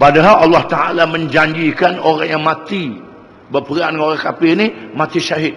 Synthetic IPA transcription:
padaɦalalːɑht̪aʔa̰lamə̃ɲd͡ʒaɲd͡ʒikanoɾaŋjaŋmãt̪i | bərpəɾandəŋoɾaŋkapɪnimãt̪iʃaɦɪt̪̚

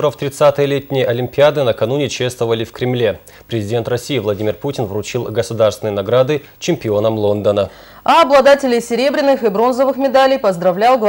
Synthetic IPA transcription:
ɾəft̪ɾʲɪt̪sat̪ɨjəlʲetʲnʲɪjəʔɐlʲɪmʲpʲɪad̪ɨnəkɐnunʲɪt͡ɕest̪vəvəlʲɪfkɾʲɪmlʲe̞ | pɾʲɪzʲɪdʲe̞nt̪rɐsʲijivlˠɐdʲimʲɪrputʲɪnvɾʊt͡ɕilˠɡəsʊd̪arst̪vʲɪnəjnɐɡɾad̪ɨ | t͡ɕɪmʲpʲɪo̞nəmlˠo̞nd̪ənə | aɐblˠɐd̪atʲɪlʲɪjsʲɪɾʲe̞bɾʲɪnːɨxɨbɾo̞nzəvɨxmʲɪd̪alʲɪjpəzd̪ɾɐvlʲalˠɡ̪

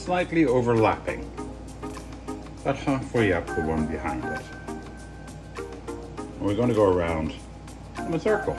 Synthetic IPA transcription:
slaɪtˡlioʊvə˞læpɪ̰̃ŋ | ðəthafəlˠiap̚ðəwʌ̃nbɨhãɪ̃ndɪ̰t̚ | əwiɹɡõʊ̃nʰəɡoʊə˞ãʊ̃nd̥̃ | məsɜ˞kl̩ˠ

